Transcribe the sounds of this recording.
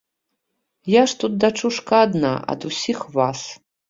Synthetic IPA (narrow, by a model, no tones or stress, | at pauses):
jaʂt̪ut̪̚d̪ɐt͡ʂʰuʂkaːd̪na̰ʔɐ̰d̪usʲixvas